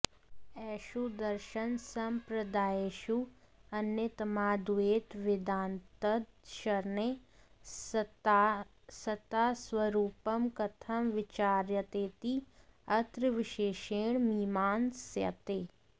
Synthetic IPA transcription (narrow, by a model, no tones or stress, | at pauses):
ɛːʃud̪ɐɾʃənsɐmpɾɐd̪aːeːʃu | ɐnjet̪ɐmaːd̪ueːt̪ʋɪd̪aːnt̪ɐd̪ʃɐɾne | s | sɐt̪aːswɐɾuːpɐmkɐt̪ʰɐmʋɪt͡ʃaːɾjət̪eːt̪iɐt̪ɾʋɪʃeːʃeːɳmiːmaːnsjɐ̰t̪eː